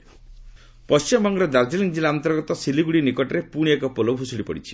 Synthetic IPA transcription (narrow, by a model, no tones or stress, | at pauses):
pɔst͡ʃimbɔŋɡɔɾɔd̪aɾd͡ʒiliŋd͡ʒilaant̪ɔɾɡɔt̪ɔsiliɡuɽinikɔʈɔɾepuɽ̃iekɔpolobʱusuɽipɔ̰ɽit͡ʃʰi̥